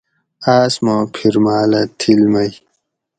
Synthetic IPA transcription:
aːsmoːpʰiɾmaːlɐt̪ʰilmɐj

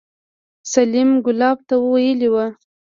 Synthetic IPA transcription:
salimɡʊlɑb̚t̪awəwajəliwa

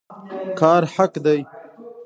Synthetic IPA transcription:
kɑːɾħakd̪aj

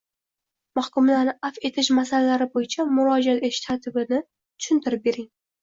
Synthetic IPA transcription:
mahkʊmlaɾnɪʔafe̞t̪ʰɪʃmasalalaɾɪbojɪt͡ʃʰamʊɾɒd͡ʒat̪et̪ʰɪ̥ʃt̪ʰaɾt̪ʰɪbɪnɪ | t̪ʰʊ̥ʃɪnt̪ʰɪɾɪp̚be̞ɾɪŋ

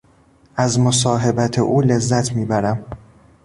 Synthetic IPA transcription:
ʔæzmosɒːɦe̞bæt̪ʰḛʔuːle̞zːæt̪ʰmiːbæɾæm

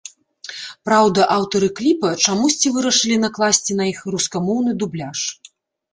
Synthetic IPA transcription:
pɾawd̪ɐʔawt̪ɐɾɨklʲipɐt͡ʂamusʲt͡sʲivɨɾɐʂɨlʲinɐklˠasʲt͡sʲinɐixruskamɔwnɨd̪ublʲaʂ

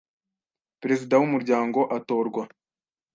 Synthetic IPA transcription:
pɾe̞zidawumuɾɟaːŋɡo̞ʔato̞ːɾɡwa

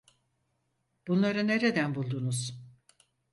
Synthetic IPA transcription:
b̥unlˠaɾɯne̞ɾe̞d̪ænbulˠd̪unuz̥

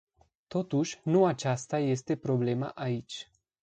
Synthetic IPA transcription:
t̪o̞t̪uʃʲnuat͡ʃast̪aje̞st̪e̞pɾo̞ble̞ma̰ʔait͡ʃʲ

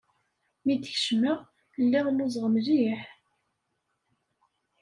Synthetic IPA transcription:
mid̪çʃməʁ | lːiʁlʊzˤʁəmliħ

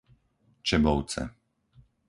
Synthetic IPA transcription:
t͡ʃɛbɔʊt͡sɛ̰

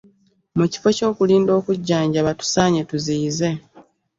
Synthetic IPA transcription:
muci̥fo̞co̞ːkuliːndo̞ːkuɟːaːɲɟaβatu̥saːɲe̞tuziːze̞

